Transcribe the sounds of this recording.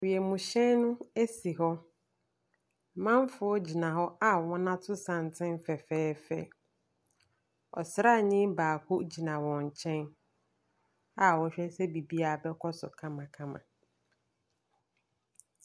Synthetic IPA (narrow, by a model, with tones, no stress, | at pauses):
wi˨ɛ˨mũ˨ɕɛ˦nnʊ̃˦e˦si˨ɦɔ˦˨ | mã˦m˦fʊ˨˦ɔ˦d͡ʑi˨nã˨ɦɔ˦a˦wɔ̃˦nã˦tʰʊ˦sã˨n˨tʰɪ̃˦m˦fɛ˨fɛː˦fɛ̰˦˨ | ɔ̰˨sɾa˦˨ɲɪ̃˦baː˨kʰʊ˦d͡ʑi˨nã˨wɔ̃˨ɲ̩˨t͡ɕʰɛ̃˦n | a˨wɔ˦ɕᶣɛ˦sɛ˦bi˨bi˦a˨bɛ˦kʰɔ˦sʊ̰˨kʰã˦mã˨kʰã˦mã̰˨